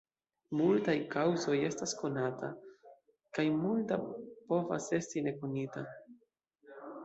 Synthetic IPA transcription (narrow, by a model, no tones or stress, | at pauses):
multajkʰawzo̞je̞stasko̞natʰa̰ | kajmultapo̞va̰se̞stine̞konita